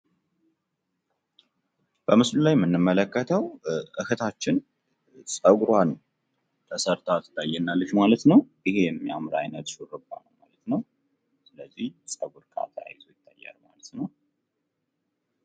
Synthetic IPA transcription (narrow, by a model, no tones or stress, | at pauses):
b̥əmɨslulajmɨnːɨmːələkːət̪ʰəwʔɨhʰɨt̪ʰat͡ʃːɪn | sʼəɡuɾwan | t̪ʰəsəɾt̪ʰat̪ɨt̪ajːɛnːalːəʃmalət̪nəwʔɪhe̞mjamɾa̰jnət̪ʃuɾɨba̰nəwmalət̪nəw | sɨləzːihsʼəɡuɾkʼa̰t̪ʰa̰jzojɪt̪ʰːajːa̰lma̰lət̪nəw